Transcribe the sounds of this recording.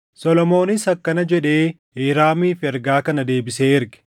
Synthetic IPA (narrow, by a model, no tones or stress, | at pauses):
sɔlɔmo̞ːnɪsɐkːɐnɐd͡ʒɛᶑe̞ː | iːɾaːmiːfɛɾɡaːkɐnɐd̪e̞ːbɪseːɪɾɡɪ̥